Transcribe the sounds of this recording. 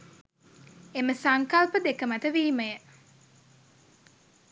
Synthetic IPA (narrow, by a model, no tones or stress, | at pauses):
eməsaŋkɐlpəd̪ekəmɐt̪əʋiːməjə